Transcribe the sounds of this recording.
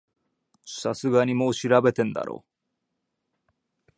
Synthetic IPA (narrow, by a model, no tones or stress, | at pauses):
sasɨɡaɲimoːɕiɾabe̞t̪ẽ̞nd̪a̰ɾo̰ː